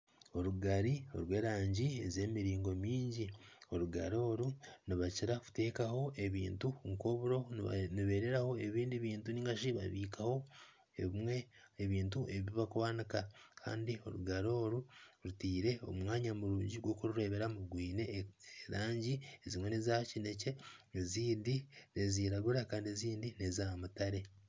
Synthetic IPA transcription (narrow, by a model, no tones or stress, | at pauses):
o̞ɾuɡaɾio̞̰ɾwe̞ːɾaːɲɟieze̞miɾiːŋɡo̞miːɲɟio̞ɾuɡa̰ɾo̞ːɾuniβaciɾaku̥te̞ːkaho̞ʔe̞βḭːntuŋko̞ːβuɾo̞niβe̞ːɾe̞ɾaho̞e̞βiːndiβiːntuniːŋɡaʃiβa̰βiːkʰaho̞ | eβimwe̞ | eβiːnt̬uʔe̞ββiβakuβanikakʰa̰ːndio̞̰ɾuɡaɾo̞ːɾuɾutiːɾe̞o̞̰mŋaːɲamuɾuːɲɟiɡwo̞ːkuɾuɾe̞βe̞ɾamuɡwiːne̞eɾaːɲɟiezimwe̞nezacine̞ce̞eziːndine̞ziːɾaɡuɾakaːndieziːndine̞zamutaɾe̞